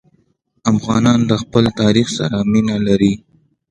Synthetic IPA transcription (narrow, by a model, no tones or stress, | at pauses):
afɣɑnɑnd̪əxpəlt̪ɑɾixsa̰ɾaminalaɾi